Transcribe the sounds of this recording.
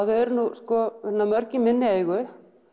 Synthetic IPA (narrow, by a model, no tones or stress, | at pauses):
aðɛɛɾnuskɔtnamœɾcɪmɪnːɪejɣʏ